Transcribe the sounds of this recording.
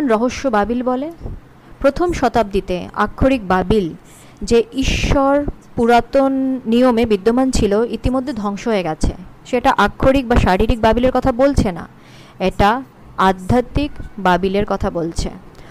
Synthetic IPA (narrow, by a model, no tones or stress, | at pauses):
nɾɔɦoʃːobabilbɔle | pɾot̪ʰomʃɔt̪ab̚d̪it̪ḛa̰kʰːoɾik̚babil | d͡ʑeiʃːoɾ | puɾat̪onːijomebid̪ːomant͡ɕʰiloit̪imod̪ʱːed̪ʱɔŋʃoɦoeɡɛt͡ɕʰḛʃeʈaʔakʰːoɾik̚baʃaɾiɾik̚babileɾkɔt̪ʰabolt͡ɕʰena̰ | eʈa | ad̪ʱːat̪ikbabileɾkɔt̪ʰabolt͡ɕʰḛ